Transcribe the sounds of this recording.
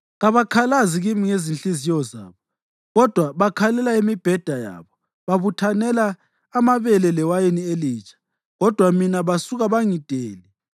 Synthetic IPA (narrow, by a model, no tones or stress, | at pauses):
ɣaβakʰalaziɣimiŋezinɬizijɔza̰ːβɔ | ɣɔd̥ʱwaβakʰalɛlaemib̥ʱɛd̥ʱaja̰ːβɔ | βaβutʰanɛlaː | maβɛlɛlɛwajenielit͡ʃʰʼḁ | ɣɔd̥ʱwaminaβasuɣaβaŋid̥ʱeːli